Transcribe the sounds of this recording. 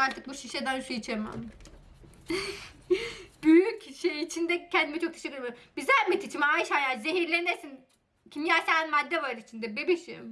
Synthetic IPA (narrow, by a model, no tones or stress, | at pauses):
aɾt̪ʰɯk̚buʃiʃed̪anʃuit͡ʃʰema̰m | b̥yjycʃejit͡ʃʰind̪ɛcʰɛnd̪imit͡ʃʰo̞k̚t̪ʰaʃekːɯɾmabizæmit̪ʰit͡ʃʰimajʃajazeɦiɾlʲenneɾsin | cʰimjaːsanmad̪ːɛvaɾit͡ʃʰind̪ɛbibiʃḭm